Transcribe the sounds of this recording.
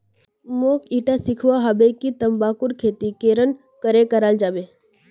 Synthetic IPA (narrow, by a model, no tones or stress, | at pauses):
moːkiːʈasɪkʰʋaɦəbekit̪əmbaːkʊɾkʰeːt̪ikeːɾən | kəɾekəɾaːld͡ʒaːbe